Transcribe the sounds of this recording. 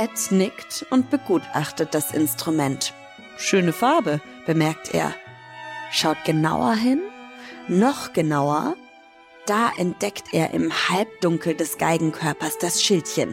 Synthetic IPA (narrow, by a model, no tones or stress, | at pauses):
ʔɛt͡snɪktʊntb̥əɡuːtʔa̰χtət̚d̥asʔɪ̰nstʁ̥umɛnt | ʃøːnəfaɐbə | b̥əmɛɐk̚tʰʔḛːɐ | ʃaʊt̚ɡ̥əna̰ʊɐ̰ɦɪnː | ɔχɡ̥ənaʊɐ̰ | d̥aːʔɛnt̚d̥ɛktʰʔeːɐʔɪ̰mhalp̚d̥ʊŋkl̩dɛsɡ̥aɪɡŋ̩kʰœɐpɐsd̥asʃɪltçən